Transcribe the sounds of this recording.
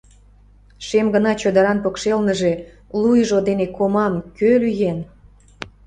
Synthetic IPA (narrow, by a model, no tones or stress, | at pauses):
ʃemɡənɑt͡ɕod̪əɾɑnpokʃelnəʒe | lujʒod̪enekomɑmkølyjen